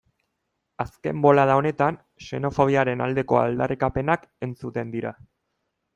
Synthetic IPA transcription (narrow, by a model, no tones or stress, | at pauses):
aske̞̰mbo̞lað̞ao̞ne̞t̪an | se̞no̞fo̞β̞iaɾe̞na̰ld̪e̞ko̞a̰ld̪arikape̞nake̞nt͡sut̪e̞nd̪iɾa